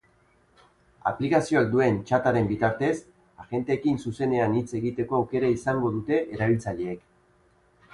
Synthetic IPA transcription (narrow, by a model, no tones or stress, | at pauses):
a̰plikasio̞ak̚d̪ue̞nt͡ʃat̪aɾe̞mbit̪aɾt̪e̞s | aɣe̞nt̪e̞ːkinsuse̞ne̞anit͡se̞ɣit̪e̞ko̞awke̞ɾaisaŋɡo̞ðut̪e̞ʔeɾaβ̞ilt͡saʎe̞ːk